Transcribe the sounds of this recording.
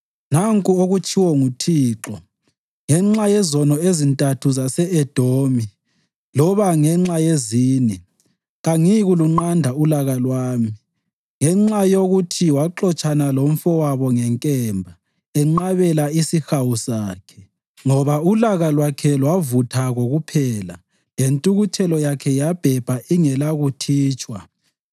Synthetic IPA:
naŋkʼuoɣut͡ʃʰʼiwɔŋutʰiːǁɔ | ŋɛŋ͡ǁajɛzɔnɔezintʼatʰuzasɛɛd̥ʱomi | lɔβaŋɛŋ͡ǁajeziːnɛ | ɣaŋiɣuluŋ͡ǃandʱaulaɣalwaːmi | ŋɛŋ͡ǁajoɣutʰiwaǃɔt͡ʃʼanalom̩fɔwaβɔŋɛŋkʼɛmbʱa | ɛŋ͡ǃaβɛlaisixawusaːkʰɛ̥ | ŋɔβaulaɣalwakʰɛlwavutʰaɣoɣupʰɛːla | jentʼuɣutʰɛlɔjakʰɛjab̥ʱɛb̥ʱaʔiŋɛlaɣutʰiːt͡ʃʼwa̰

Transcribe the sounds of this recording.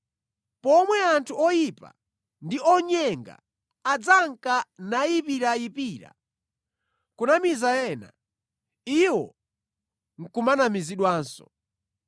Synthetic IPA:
pɔmwɛantʰuɔjipa̰ | ndiɔɲɛŋɡa̰ | ad͡zaŋkanajipiɾaipiːɾa̰ | kunamizajɛna̰ | iwɔ | ŋ̩kumanamiziɗwaːnsɔ̰

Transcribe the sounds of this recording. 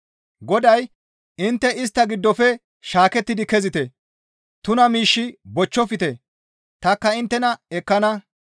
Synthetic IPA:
ɡɔd̪ɐj | ɪnt̪ːɛʔɪs̬t̪ːɐɡɪd̪ːɔfɛ | ʃaːkɛt̪ːɪd̪ɪkɛzɪt̪ɛ | t̪ʊnɐmiːʃːɪbɔt͡ʃːɔfɪt̪ɛ | t̪ɐkːɐɪnt̪ːɛnɐɛkːɐnɐ

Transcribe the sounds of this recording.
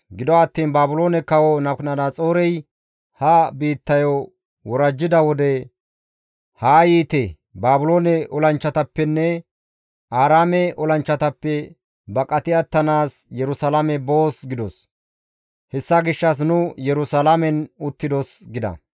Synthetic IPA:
ɡɪd̪ɔɐt̪ːiːnbaːbʊlo̞ːnɛkɐwɔnɐknɐd̪at͡sʼoːɾɛj | hɐbiːt̪ːɐjo | wɔɾɐd͡ʒːɪd̪ɐwɔd̪ɛ | haːjiːt̪ɛ | baːbʊlo̞ːnɛʔɔlɐnt͡ʃːɐt̪ɐpːɛnːɛ | aːɾaːmɛɔlɐnt͡ʃːɐt̪ɐpːɛ | bɐkʼɐt̪ɪɐt̪ːɐnaːsjɛɾʊsɐlamɛbo̞ːsɡɪd̪ɔs | hɛsːɐɡɪʃːɐs̬nʊjɛɾʊsɐlamɛnʊt̪ːɪd̪ɔsɡɪd̪ɐ̰

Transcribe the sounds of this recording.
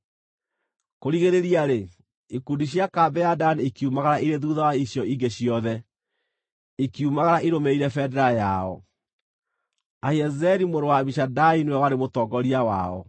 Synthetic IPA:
koɾiɣeɾeɾiaɾe | ikundiɕjakabɛjadanekiumaɣaɾaʔiɾeðuðawaiɕjɔiŋɡeɕijɔðɛ | ikiumaɣaɾaʔiɾomeiɾɛfɛdɛɾajaɔ̰ | aiɛzɛɾimoɾowamiʃadainwɛwaɾemotɔɡɔɾiawa̰ɔ̰

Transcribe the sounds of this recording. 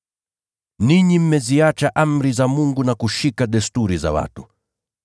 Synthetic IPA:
niɲim̩mɛziat͡ʃaʔam̩ɾizamuŋɡunakuʃikaɗɛstuɾiza̰wa̰tu

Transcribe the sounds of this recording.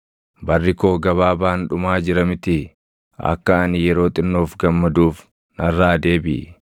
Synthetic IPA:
bɐrːɪko̞ːɡɐβaːbaːnᶑʊmaːd͡ʒɪɾɐmɪt̪ɪ | ɐ̰kːɐɐnɪjɛɾo̞ːt̪ʼɪnːoːfɡɐmːɐd̪uːf | nɐrːaːd̪e̞ːbɪ̰

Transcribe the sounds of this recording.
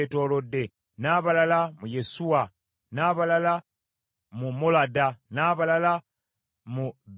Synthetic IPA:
eto̞ːlo̞dːe̞ | naːβalalamuje̞suwa | naːβalala | mumoladanaːβalala | mub

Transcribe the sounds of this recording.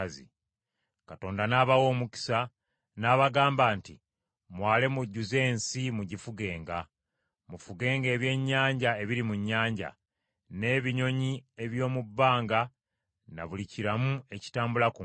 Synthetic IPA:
zḭ | kato̞ːndanaːβawo̞ːmuci̥sa | naːβaɡaːmbaːnti | mwaːle̞muɟːuze̞ːnsimuɟifuɡe̞ːŋɡa | mufuɡe̞ːŋɡe̞ːβje̞ːɲːaːɲɟae̞βiɾimuɲːaːɲɟa̰ | ne̞ːβiɲo̞ɲie̞βjo̞ːmubːaːŋɡa | na̰βuliciɾamue̞ci̥taːmbulaku

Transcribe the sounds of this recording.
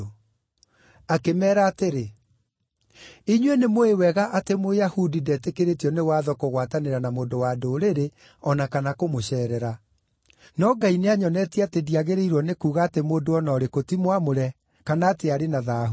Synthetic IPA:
akemɛːɾaːteɾe | iɲwenemoewɛɣaʔatemojahudidɛtekeɾetiɔnewaːðɔkoɣwataneɾanamoːndowadoɾeɾe | ɔnakanakomoɕɛːɾɛɾa | nɔɡaineaɲɔnɛtiatediaɣeɾeiɾwɔnekuːɣaːtemoːdoɔnɔːɾekotimwamoɾɛ | kanaːteaɾenaðaːɦu

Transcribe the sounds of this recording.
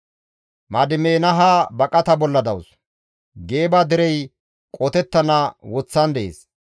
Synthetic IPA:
mɐd̪ɪmeːnɐɦaːbɐkʼɐt̪ɐbɔlːɐd̪ɐ̰ws | ɡeːbaːd̪ɪɾɛj | kʼɔt̪ɛt̪ːɐnawɔt͡sːɐnd̪ɛʔḛːs

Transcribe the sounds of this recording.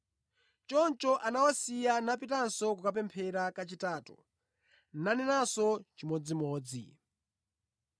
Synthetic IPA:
t͡ʃɔnt͡ʃɔʔanawasijanapitansɔkukap̬ɛmpʰɛɾakat͡ʃitaːtɔ̥̰ | nanɛnasɔt͡ʃimɔd͡zimɔːd͡zḭ

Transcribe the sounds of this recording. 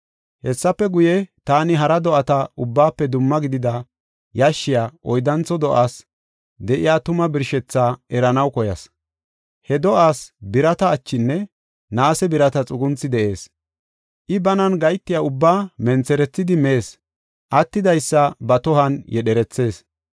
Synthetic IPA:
hɛsːɐpːɛɡʊjɛt̪aːnɪɦɐɾɐd̪ɔʔɐt̪ɐʔʊbːaːpːɛd̪ʊmːɐɡɪd̪ɪd̪ɐ | jɐʃːɪjaːʔɔjd̪ɐnt͡sɔd̪ɔʔaːs | d̪ɛʔɪjaːt̪ʊmɐbɪɾʃɛt͡sːaːɛɾɐnɐwkɔjɐ̰s | hɛd̪ɔʔaːsbɪɾɐt̪ɐːt͡ʃːɪnːɛ | naːsɛbɪɾɐt̪ɐt͡sʼʊɡʊnt͡sːɪd̪ɛʔe̞ːs | ʔɪbɐnɐnɡɐjt̪ːɪjaːʊbːaːmɛnt͡sːɛɾɛt͡sːɪd̪ɪmeːs | ʔɐt̪ːɪd̪ɐjsːɐbɐt̪ɔhɐnjɛɗɛɾɛt͡sːe̞ːs

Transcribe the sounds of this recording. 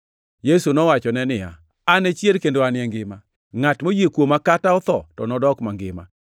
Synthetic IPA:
jesunɔwat͡ʃɔnɛnɪja̰ | anet͡ʃjelkendoanɪɛŋɡɪma | ŋatmojekwomakataɔt̪ɔtɔnɔdɔkmaŋɡɪma̰

